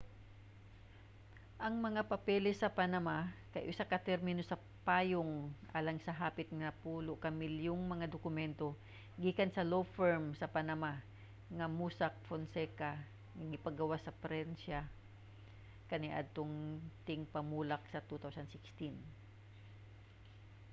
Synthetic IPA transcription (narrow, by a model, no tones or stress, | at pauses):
ʔɐŋmɐŋapɐpɛːlɪsɐpanɐmakɐjʔʊsakɐt̪ɛɾmɪnosɐ | paːjoŋʔa̰ːlɐŋsɐɦaːpɪt̪̚ŋɐpuːloʔkɐmɪljoŋmɐŋad̪okʊmɛnt̪o̞ | ɡiːkɐnsɐlowfɛɹmsɐpanama | ŋɐmuːsak̚fonsɛka | ŋɐɡɪpɐɡɐwasɐpɾɛnʃa | kɐnɪʔa̰d̪̚t̪oŋt̪ɪŋpɐmuːlak̚sɐt̪ut̪awsɐnsɪkst̪ɪn